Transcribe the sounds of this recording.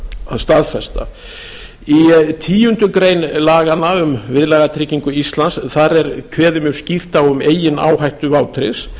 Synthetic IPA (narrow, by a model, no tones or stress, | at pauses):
ast̪aðfɛst̪a̰ | it̪ʰiːjʏnt̪ʏkɾejnlaːɣanːaʏmvɪðlɛːɣat̪ʰɾɪːciŋkʏist̪lansθaɾɛɾkʰvɛːðɪmjʏɾscir̥t̪awʏmeːjɪna̰ːwhajht̪ʏvaːwt̪ʰɾɪs